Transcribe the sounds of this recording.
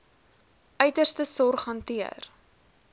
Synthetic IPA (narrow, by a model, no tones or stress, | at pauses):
ʔœɥtərstəsɔrχɦɐntiə̰r